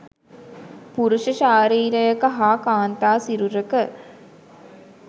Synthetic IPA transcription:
puɾuʃəʃaːɾiːɾəjəkəɦaːkaːnt̪aːsiɾuɾəkə

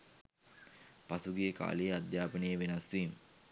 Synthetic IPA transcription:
pasuɡijəka̰ːlejad̪jaːpənəjəʋenasʋim

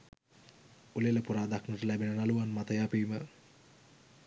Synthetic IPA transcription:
uleləpuɾaːd̪aknəʈəlæbenənaluʋanmat̪əjaːpiimə

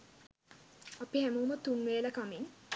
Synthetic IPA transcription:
apihæmuːmɐt̪ːuŋʋeːlɐkamiŋ

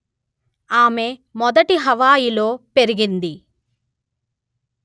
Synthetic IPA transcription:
aːme̞mɔd̪ɐʈiɦɐʋaːjilo̞ːpe̞ɾiɡind̪i

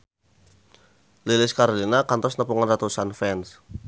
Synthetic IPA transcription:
lilɪskaɾolinakant̪ɔsnəpuŋandat̪usanfɛns

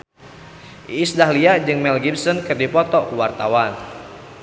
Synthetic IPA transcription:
ʔisdahliaʔd͡ʒɨŋmɛlɡibsɔnkɨrdipɔt̪ɔkuwart̪awan

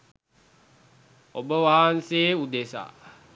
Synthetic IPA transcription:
obəʋaːanseːud̪esa̰

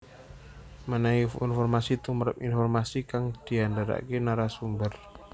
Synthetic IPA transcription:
mənaiinfɔrmasit̪umɾəpinfɔrmasikaŋd̪̥iandaɾa̰kenaɾasumbər

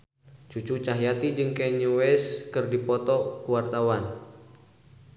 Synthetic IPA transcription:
t͡ʃut͡ʃut͡ʃaɦijat̪id͡ʒɨŋkɛɲuwɛskɨrdipɔt̪ɔkuwart̪awan

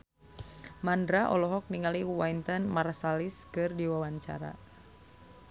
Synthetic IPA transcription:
mandɾaʔɔ̰lɔɦɔk̚niŋaliwaint̪ənmaɾsaliskɨrdiwawaɲt͡ʃa̰ɾa̰

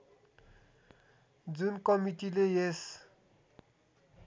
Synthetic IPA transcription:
d͡zunkʌmiʈilejes

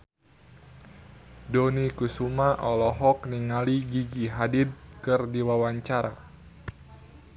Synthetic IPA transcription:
donikusumaʔɔlɔɦɔk̚niŋaliɡiɡiɦadɪd̪̚kɨrdiwawaɲt͡ʃaɾa̰

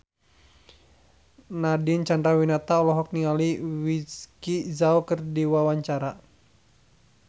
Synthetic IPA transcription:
nadɪnt͡ʃandɾawinat̪aɔlɔɦɔk̚nialiwiskizaukɨrdiwawaɲt͡ʃaɾa

